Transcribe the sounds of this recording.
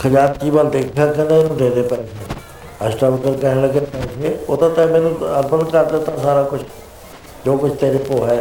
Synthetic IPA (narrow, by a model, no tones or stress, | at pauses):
kʰəd͡ʒaːt̪̚kiːbald̪eːkʰːaːkə̃nd̪eɪnũːd̪ẽːd̪epɛ̃ɪ̃t͡ʃʰeː | əsʈaːʋɪkəɾkəɦɪ̃ɽləɡepɛ̃t͡ʃʰeoːt̪ãːt̪ãmenũɐɾbənkaɾt̪et̪ãsaːɾaːkʊt͡ʃʰ | d͡ʒoːkʊt͡ʃʰt̪eːɾɪpoːɦɛː